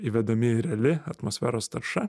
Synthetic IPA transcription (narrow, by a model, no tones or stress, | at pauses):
iʋʲɛd̪ɐmʲɪɪɾʲɛlʲɪɐt̪mosʲfʲæ̰ːɾoːst̪ɐɾʃɐ